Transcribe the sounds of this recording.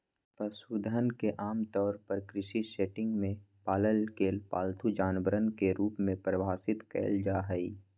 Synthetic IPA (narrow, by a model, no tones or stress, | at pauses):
pəsuːd̪ʱənkeʔaːmt̪ɔːɾpəɾkɾɪʃiʃeːʈɪ̃ŋɡmẽ | paːləlkeːlpa̰ːlt̪ʰud͡ʒaːnbəɾənkeɾuːpmẽpɾəʋaːsɪt̪kɛ̰ːld͡ʒaːɦəiː